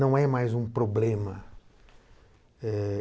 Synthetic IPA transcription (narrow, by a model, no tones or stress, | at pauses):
ɐ̃w̃ɛmajzũpɾoblẽmɐ | ɛ